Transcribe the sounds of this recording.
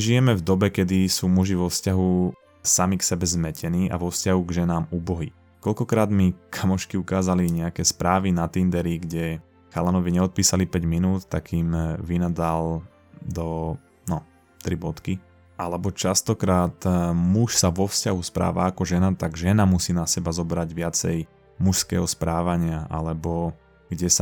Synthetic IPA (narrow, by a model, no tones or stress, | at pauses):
ʒijɛmɛvd̪ɔbɛkɛd̪isuːmuʒiʋɔfscaɦu | samiksɛbɛzmɛcʰɛniːʔa̰ʋɔfscaɦuɡʒɛnaːmuːbɔɦi | kɔlkɔkɾaːd̪mikʰamɔʃkiukaːzaliɲɛakɛːspɾaːʋinat̪ind̪ɛɾiɡɟɛ | xalanɔʋiɲɛɔt̪̚piːsalipɛɟminuːt̪ːakimʋinad̪al | d̪ɔ | nɔ | t̪ɾibɔt̪ki | ʔalɛbɔt͡ʃast̪ɔkɾaːt̪muʃsaʋɔfscaɦuspɾa̰ːʋaːkɔʒɛnat̪aɡʒɛnamusiːnasɛbazɔbɾaɟʋɪat͡sɛj | muʃskɛ̰ːɦɔspɾaːʋaɲɪaʔa̰lɛbɔ | ɡ̥ɟɛs